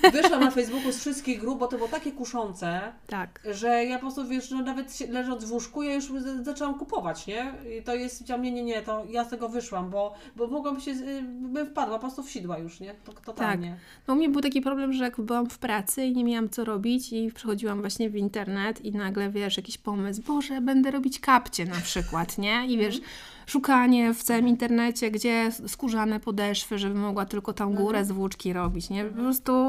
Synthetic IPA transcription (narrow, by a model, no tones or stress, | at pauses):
vɘʂwamnafɛjzbukusfʂɘst̪̚kʲiɣɡɾup̚bɔt̪ɔbɨwɔt̪akʲɛkuʂɔnt̪sɛt̪akʐɛjapɔpɾɔst̪uvʲjɛʂnɔnavɛt̪ɕɛlɛʐɔd̪zvuʂkujajuʂzat͡ʂɛwamkupɔvat͡ɕɲɛt̪ɔjɛst̪vʲit͡ɕamɲɛɲɛɲɛt̪ɔjast̪ɛɡɔvɘʂwambɔ | bɔmɔɡwabɘɕɛbfpad̪wapɔpɾɔst̪ufɕid̪wajuʂɲɛt̪ɔt̪ɔt̪aalkɲɛ | nɔumɲɛbɘwt̪akʲipɾɔblɛmʐɛjakbɘwamfpɾat̪sɘiɲemʲjawamt̪sɔɾɔbʲit͡ɕipʂɛxɔd͡ʑiwamvwaɕɲɛvint̪ɛɾnɛt̪inaɡlɛvʲjɛʂjakʲiɕpɔmɘsbɔʐɛbɛnd̪ɛɾɔbʲit͡ɕkapt͡ɕɛnapʂɘkwat̪ɲɛivʲjɛʂ | ʂukaɲɛft̪sawɘmint̪ɛɾnɛt͡ɕɛɡd͡ʑɛskuʐanɛpɔd̪ɛʂfɘʐɛbɘmɔɡwat̪ɘlkɔt̪amɡuɾɛzvut͡ʂkʲiɾɔbʲit͡ɕɲɛpɔpɾɔst̪u